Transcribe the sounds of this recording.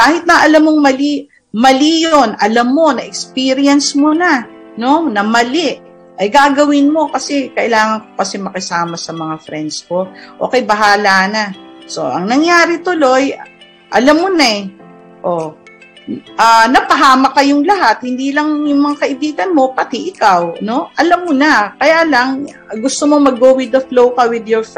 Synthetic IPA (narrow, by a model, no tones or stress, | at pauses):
kaːhɪt̪̚nɐʔɐlamːoŋmɐli | mɐlijonʔɐlɐmːo̞nɐʔɛkspiːɾɪɐnsmonɐ | no̞nɐmɐlɪʔ | ʔɐjɡaːɡɐwɪnmo̞kɐsɛkɐʔɪlaːŋɐnko̥kɐsɛmɐkɐsaːmɐsɐmɐŋafɾɛnd̪sko̞ʔoːkɛjbɐɦaːlanaso̞̰ʔɐ̰ŋnɐŋjaːɾɪt̪ʊlo̞j | ʔɐlamːonɐɛ | ʔo̞ | ʔanɐpɐɦaːmɐkɐjʊŋlɐɦat̪̚hɪnd̪iːlɐŋjʊŋmɐŋakɐʔɪbiːɡɐnmo̞pɐt̪iʔɪkawno̞ʔɐlamːonɐkɐjaːlɐŋ | ɡʊst̪omo̞mɐɡːoːwɪd̪ɐflowkɐwɪd̪joɹf